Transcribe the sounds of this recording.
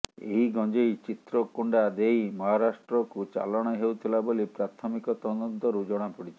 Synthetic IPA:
ḛɦiɡɔd͡ʒejt͡ʃit̪ɾɔkuɳɖad̪ejmɔɦaɾasʈɾɔkut͡ʃa̰lɔɽ̃ɔɦewt̪ʰilabolipɾat̪ʰɔmikɔt̪ɔnud̪ʱːɔɾud͡ʒɔɽ̃apuɽit͡ʃʰi̥

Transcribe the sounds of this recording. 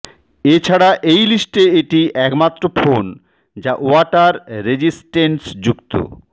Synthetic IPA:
et͡ɕʰaɽaʔejlisʈeeʈiɛkmat̪ːɾofʰon | d͡ʑaʔoaʈaɾːed͡ʑisʈeɳsd͡ʑukt̪o̰

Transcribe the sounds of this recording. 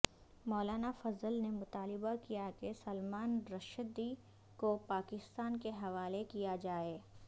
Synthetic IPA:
mɔːlaːnafɐzəlnemʊt̪aːlɪbakijakesɐlmaːnɾɐʃəd̪i | kopaːkɪst̪aːnkeɦɐʋaːlekijad͡ʒaːeː

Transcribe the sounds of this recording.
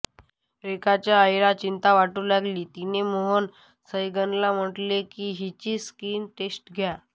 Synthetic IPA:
ɾekat͡ɕjaəjɾat͡ɕint̪aʋaʈuːlaɡliːt̪inemoɦən | səjɡənlam̤əʈlekiːɦit͡ɕiːskiːnʈesʈɡʱja

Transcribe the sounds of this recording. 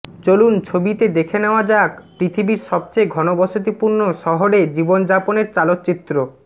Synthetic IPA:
t͡ɕolunt͡ɕʰobit̪ed̪ekʰeneoad͡ʑakpɾit̪ʰibiɾʃɔb̚t͡ɕejɡʱɔnobɔʃot̪̬ipuɾnoʃɔɦoɽed͡ʑibond͡ʑaponeɾt͡ɕalot̪ːt͡ɕit̪ːɾo

